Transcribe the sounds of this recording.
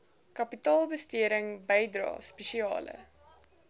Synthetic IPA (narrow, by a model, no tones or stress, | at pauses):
kɐpitɑːlˠbəstiəɾəŋbəjdrɑ̰ːspɛʃiɑ̰ːlə̰